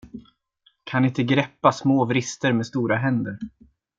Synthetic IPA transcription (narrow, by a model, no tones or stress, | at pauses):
kʰanɪnt̪əɡɾɛpːasmoːvɾɪst̪əɾmeːst̪uːɾaɦɛnd̪əɾ